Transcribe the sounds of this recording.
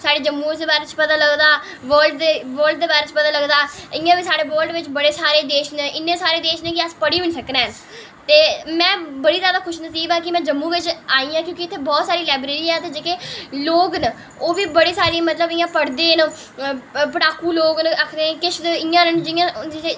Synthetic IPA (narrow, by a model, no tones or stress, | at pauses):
saːɖeːd͡ʒəmːũːd̪eːbaːɾeːt͡ʃpət̪aːləɡd̪aː | ʋəːlɖd̪eːʋəːlɖd̪eːbaːɾeːt͡ʃəpət̪aːləɡd̪aːɪjãːʋiːsaːɽeːʋəːlɖʋɪt͡ʃbəɽeːsaːɾeːd̪eːʃnʔɪnːẽːsaːɾeːd̪eːʃnekɪəspəɽiːɪnsəknɛːn | t̪eːmɛ̃ːbəɽiːzjaːd̪aːkʰʊʃnəsiːbãːkɪmɛ̃ːd͡ʒəmːũːʋɪt͡ʃaːiːãːkjõːkɪt̪ʰːeːbɔːt̪saːɾiːlaːbɾeːɾiːɛːt̪eːd͡ʒeːkeːloːɡnə | oːʋiːbəɽeːsaːɾiːmət̪ləbɪjãːpəɽd̪eːn | pəʈaːkuːloːɡnəkʰd̪eːkɪʃʰd̪ɪjãːnənd͡ʒɪjãːd͡ʒɪeː